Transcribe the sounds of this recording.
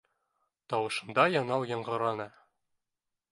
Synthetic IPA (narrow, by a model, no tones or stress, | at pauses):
t̪ɒwɤ̆ʃɤ̆nd̪ɑjɒnɑwjɒ̆ɴɢɤ̆ɾɑnɤ